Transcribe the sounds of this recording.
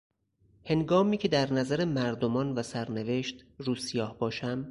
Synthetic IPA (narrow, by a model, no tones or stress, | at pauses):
he̞ŋɡɒːmiːcʰe̞d̪æɾnæzæɾe̞mæɾd̪omɒːnvæsæɾne̞ve̞ʃt̪ɾuːsijɒːhbɒːʃæm